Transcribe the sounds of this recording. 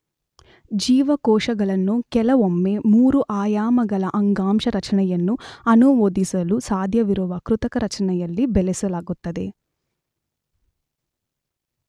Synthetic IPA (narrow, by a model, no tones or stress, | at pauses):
d͡ʒiːʋɐkɔːʂɐɡɐlɐnːukɛlɐʋomːemuːɾuʔaːjaːmɐɡɐlɐʔɐŋɡaːmʂɐɾɐt͡ʃɐnɐjɐnːuɐnuʋoːd̪isɐlusaːd̪ʱjɐʋiɾuʋɐkɾut̪ɐkɐɾɐt͡ʃɐnɐjɐlːibelesɐlaːɡut̪ːɐd̪ḛ